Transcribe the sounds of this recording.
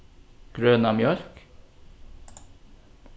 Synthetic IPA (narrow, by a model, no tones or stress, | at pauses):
ɡ̥ɾøːnɑmjœɾk